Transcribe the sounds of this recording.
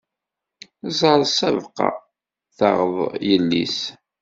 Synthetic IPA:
zˤəɾˤsævqɑ̰ | θɑʁəðˤjəlːis

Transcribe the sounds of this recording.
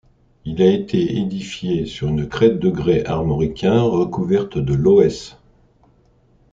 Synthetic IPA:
ilaet̪ʰeed̪ifjesyʁynk̪χɛt̪̚d̪əɡʁeʔaʁmɔʁikʲɛ̃ʁəkuvɛʁt̪d̪əloɛs

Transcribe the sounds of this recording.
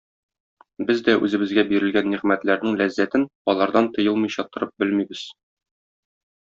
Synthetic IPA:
bɘzd̪æʔʉzɘ̆bɘ̆zɡæbiɾɘ̆lɡænːiʁmæt̪læɾnɘŋlæzːæt̪ɘnɒlˠɑɾd̪ɑnt̪ŏjɤlˠmɤ̆jɕɑt̪ŏɾɤp̚bɘlmibɘz̥

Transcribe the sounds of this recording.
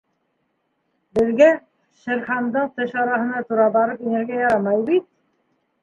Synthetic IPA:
bɘ̆ðɡæ | ʃɘ̆ɾχɑnd̪ɤɴt̪ɘʃɑɾɑɦɤ̆nɑt̪uɾɑbɑɾɤpinɘ̆ɾɡæjɑɾɑmɑjbit̪̚

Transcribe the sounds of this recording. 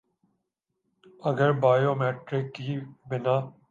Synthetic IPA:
əɡəɾbaːjoːmeːʈɾɪkːiːbɪnaː

